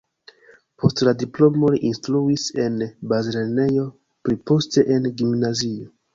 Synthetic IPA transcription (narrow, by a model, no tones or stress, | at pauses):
pʰo̞stladiplo̞mo̞liʔinstɾuise̞nbazlene̞jo̞ | pɾipo̞ste̞ʔenɡimnazio